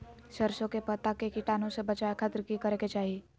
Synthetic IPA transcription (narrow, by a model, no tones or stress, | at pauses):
ʃɐɾʃõkepɐt̪akekɪʈaːnõsebɐt͡ʃaːekʰət̪ɾəkikɐɾeket͡ʃaːɦieː